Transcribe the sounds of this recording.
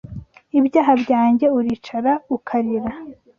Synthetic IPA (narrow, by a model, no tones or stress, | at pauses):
ibɟaːɦabɟaːɲɟe̞uɾit͡ʃaɾaukʰaɾiɾa